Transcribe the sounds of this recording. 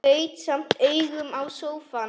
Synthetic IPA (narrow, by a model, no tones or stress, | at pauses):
ejt̪sam̥t̪ejɣʏmawsowfa